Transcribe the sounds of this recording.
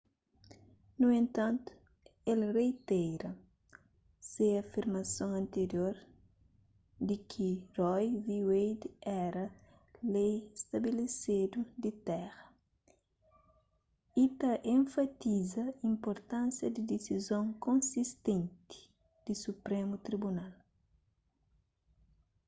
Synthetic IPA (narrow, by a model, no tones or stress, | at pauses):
nuẽnt̪ɐ̃nt̪u̥ | elrejt̪ɛjɾɐ | seɐfiɾmɐsõŋɐ̃nt̪eɾjoɾ | d̪ikʰirɔjviwejd̪ɛɾɐ | lejest̪ɐbelesed̪ud̪it̪ɛɣɐ | it̪ɐʔẽɱfɐt̪izɐĩmpoɾt̪ãnsjɐd̪id̪esizõŋkõnsist̪ẽnt̪i̥ | d̪̥isupɾẽmut̪ɾibunal